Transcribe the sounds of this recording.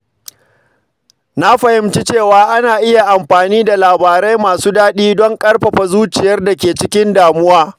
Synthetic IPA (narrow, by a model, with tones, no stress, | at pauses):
na˦ɸɐ˨hɪ˦mt͡ʃi˦t͡ʃeː˦˨waː˦ʔa˦naː˨ʔɪ˦ja˨ʔa˨mɸaː˨niː˦da˨laː˨baː˨ɾa˦jmaː˨suː˦daː˦ɗiː˦dɔ˦ŋkʼɐ˦rɸɐ˨ɸa˨zuː˦t͡ʃɪ˨jɐ˦rda˨kʲeː˨t͡ʃɪ˦kʲɪ˦ndaː˨mʊ˦waː˦